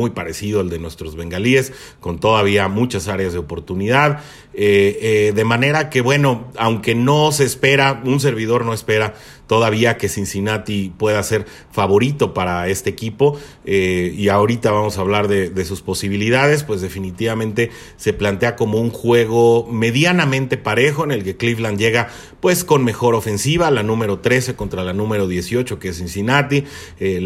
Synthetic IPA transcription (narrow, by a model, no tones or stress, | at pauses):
ujpaɾe̞siðo̞eld̪e̞nwe̞st̪ɾo̞zβe̞ŋɡalie̞s | ko̞nt̪o̞ðaβ̞iamut͡ʃasaɾeazðeopo̞ɾt̪uniðað | eeðe̞mãne̞ɾake̞βwe̞no̞awŋke̞no̞seːspe̞ɾauns̬e̞ɾβ̞iðo̞ɾno̞espe̞ɾa | t̪o̞ðaβ̞iake̞sinsinat̪ipwe̞ðase̞ɾ | faβo̞ɾit̪o̞paɾae̞st̪eeːkipo̞ | eiao̞ɾit̪aβamo̞saβ̞laɾðe̞ðe̞suspo̞siβ̞iliðað̞e̞s̬pwe̞zðe̞finit̪iβamẽnt̪e̞ | se̞plant̪e̞ako̞mo̞uŋxwe̞ɣ̞o̞me̞ðjanamẽ̞nt̪e̞paɾe̞xo̞ene̞lke̞klifland̪ʝe̞ɣa | pwe̞sko̞nme̞xo̞ɾo̞fe̞nsiβ̞alanũme̞ɾo̞t̪ɾe̞se̞ko̞nt̪ɾalanũme̞ɾo̞ðje̞sjo̞t͡ʃo̞kees̬insinat̪i | e